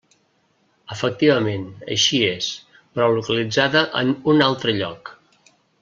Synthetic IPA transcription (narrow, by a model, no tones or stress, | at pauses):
əfək̚t̪iβəmenə̰ʃies | pɾɔlukəlid͡zaðəʔə̰nunalˠt̪ɾəʎɔk